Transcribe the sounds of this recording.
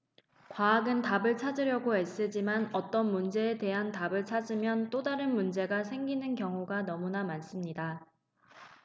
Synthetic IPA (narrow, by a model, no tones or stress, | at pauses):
kwaːɡɯntabɯɭt͡ɕʰad͡ʑɯɾjʌɡoɦes͈ɯd͡ʑimanʌt͈ʌnmund͡ʑe̞ːte̞ɦantabɯɭt͡ɕʰad͡ʑimjʌnt͈odaɾɯnmund͡ʑe̞ɡasʰe̞ŋɡinɯnkjʌŋuɡanʌmunamans͈ɯmɲida